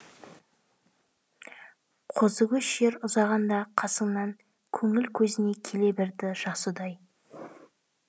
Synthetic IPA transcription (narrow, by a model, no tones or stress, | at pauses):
qʰozəɡʲɪʃeɾʊzɑʁɑnd̪ɑqʰɑsəɴnɑŋ | kʲʰɵŋɪlkʲʰɵzɪne̞kʲʰe̞le̞bɪɾd̪ɪʒ̥ɑsəd̪ɑj